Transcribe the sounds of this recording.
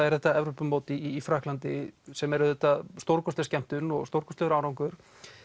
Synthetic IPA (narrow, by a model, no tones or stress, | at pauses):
aðɛɾ̥θɛt̪ːaɛvɾopʏmoːwt̪ɪiːfɾaːhklant̪ɪsɛmɛɾʏθɛt̪ːast̪owɾkɔst̪ɪscɛm̥t̪ʏnːɔɣst̪owɾkɔst̪ɛɾaːwɾawŋkʏɾ̥